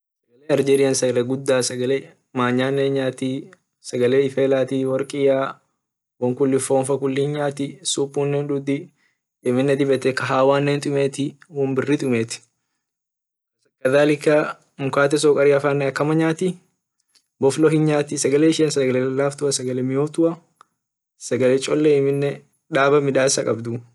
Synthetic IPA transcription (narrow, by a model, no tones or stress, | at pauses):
sɐɡɐleːɐɾd͡ʒeːɾɪjɐnsɐɡɐlɛɡʊd̪ːaːsɐɡɐle | maːɲːaːnːeːɲaːt̪i | sɐɡɐleːɪfeːlaːt̪iwɔɾkʼɪjaː | wɔŋkʊlːɪfoːnfɐkʊlːɪhɪɲɲaːt̪ɪsuːpʼːuːnːɛnᶑʊd̪ɪ | ɪmɪnːɛd̪ɪbɛt̪ɛkɐɦaːwaːnːɛnt̪ʼʊmeːt̪ɪwɔmbɪrːɪt̪ʼʊmeːt̪ɪ̥ | ɐsɐkːɐd̪aːlɪkːɐ | mʊkaːt̪̬ɛs̬ɔːkʼɐɾɪɐfaːnːɛɐkːɐmɐɲaːt̪ɪ | bɔflɔɦɪnɲaːt̪ɪsɐɡɐleːɪʃeːnsɐɡɐlɛlɐlːaːft̪ʊɐsɐɡɐlɛmɪjoːft̪ʊʔɐ | sɐɡɐlɛt͡ʃʼɔlːɛɪmɪnːɛ | ᶑ̪aːbɐmɪᶑ̪aːɪsɐkʼɐbd̪ʊ